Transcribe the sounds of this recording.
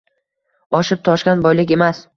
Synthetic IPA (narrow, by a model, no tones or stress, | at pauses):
ɒʃɪp̚t̪ʰɒʃkʲanbɒjlɪkʲe̞mas